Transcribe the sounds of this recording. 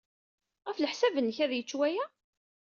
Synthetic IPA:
ʁæfləħsævənːəçæðjət͡ʃːwæjæ

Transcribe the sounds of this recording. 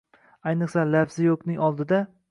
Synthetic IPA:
ajnɨqsalafzɪjoknɪŋɒlˠd̪ɪd̪a

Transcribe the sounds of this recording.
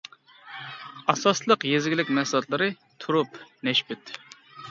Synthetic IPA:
ɑsɑslˠəqjezɡʲilɪkʲmɛsɨlˠɑt̪lˠɨɾɨ | t̪ʰuɾupnɛʃbɛt̪

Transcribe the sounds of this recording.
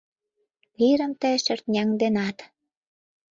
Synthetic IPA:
βiɾə̆mt̪əʃərt̪nʲɑŋd̪enɑt̪

